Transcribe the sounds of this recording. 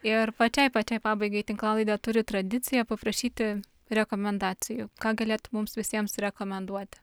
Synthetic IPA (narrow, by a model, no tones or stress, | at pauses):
ɪrpɐt͡ʃʲɛɪpɐt͡ʃʲɛɪpɑːbɐɪɡɐɪt̪ʲɪŋklˠɑːlˠɐɪd̪ɑt̪ʊɾʲɪt̪ɾɐd̪ʲɪt̪t͡s̪ʲɪjɛpɐpɾɐʃʲiːt̪ʲɪ | ɾʲɛkoːmʲɛnd̪ɑːt͡s̪ʲɪjʊkɑːɡɐlʲeːt̪mʊmsʋʲɪsʲiɛmsɾʲɛkoːmʲɛnd̪uɔt̪ʲɪ̥